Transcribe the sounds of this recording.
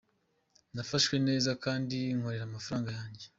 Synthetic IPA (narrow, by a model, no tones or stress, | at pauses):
nafaʃwe̞ne̞ːzakaːndiŋ̥ho̞ɾeɾaːmafaɾaːŋɡajaːɲɟe